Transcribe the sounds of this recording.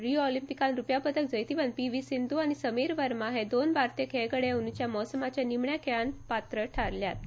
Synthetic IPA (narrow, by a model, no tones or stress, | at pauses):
ɾiɔlimpikãnɾupjapət̪ək̚d͡zəjt̪iʋənpiʋisind̪uañisəmiːɾʋəɾmaɦed̪onbaɾt̪ekɦeɡəɽeunut͡ɕjamɔsəmat͡ɕjanimɳjakʰeanpat̪ɾəʈʰaɾljat̪̚